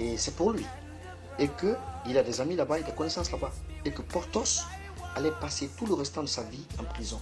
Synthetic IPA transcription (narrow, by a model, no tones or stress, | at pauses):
esɛpuʁlɥi | ekəilad̪ɛzamilabaed̪ɛkɔnɛsɑ̃slabaekəpɔʁt̪ɔs | alɛpaset̪uləʁɛst̪ɑ̃d̪əsaviɑ̃pχizɔ̃